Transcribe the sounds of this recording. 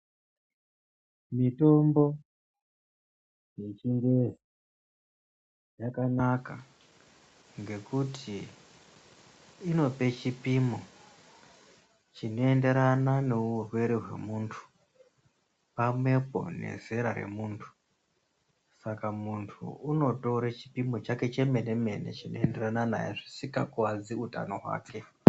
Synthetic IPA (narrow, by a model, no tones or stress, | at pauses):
mito̞mbo̞ | je̞t͡ʃindezi | jakanaka | ŋɡe̞kutʰi | no̞pe̞t͡ʃipimo | t͡ʃino̞e̞nde̞ɾananeurwe̞ɾiɦwe̞̰muːntʰu̥ | pamwe̞po̞̰ne̞̰ze̞ɾaɾe̞̰muːntʰu̥ | sakamuntʰṵuno̞toɾet͡ʃi̥pimo̞t͡ʃake̞t͡ʃe̞me̞ne̞me̞ne̞̰t͡ʃino̞̰ende̞ranana̰jeʐisikakuad͡ziuta̰no̞ɦwa̰ːkʰe̞